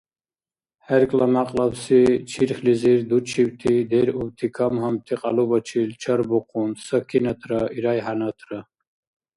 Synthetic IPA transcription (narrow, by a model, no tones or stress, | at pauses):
hɛɾkʼlamaqʼlabsit͡ʃʰiɾχliziɾd̪ut͡ʃʰibt̪ʰid̪ɛɾubt̪ʰikʰamɦɔmt̪ʰiqʼa̰lubɔt͡ʃʰilt͡ʃʰaɾbɔqʰʼunsəkʰinat̪ʰɾəiɾajɦanat̪ʰɾə